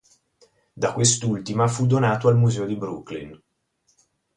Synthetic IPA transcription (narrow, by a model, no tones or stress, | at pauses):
d̪akwest̪ult̪imafud̪onaːt̪oalmuzɛːod̪ibɾuklḭn